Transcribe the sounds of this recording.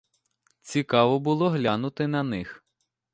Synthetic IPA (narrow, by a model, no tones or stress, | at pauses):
t͡sʲikɑʋɔbʊlˠɔɦlʲanʊt̪ɪnɐnɪx